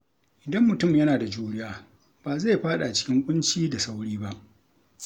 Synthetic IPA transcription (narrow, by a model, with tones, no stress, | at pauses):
ʔɪ˨dɐ˦mːʊ˨tʊ˦˨mjɐ˦naː˨da˨d͡ʒuː˦ɽɪ˦jaː˦ | b̥aː˨za˦jɸaː˦ɗa˨a˨t͡ʃɪ̥˦kʲɪ˦ŋkʷʼʊ˦nt͡ʃiː˦da˨sa˦wɽiː˦ba˦ʔ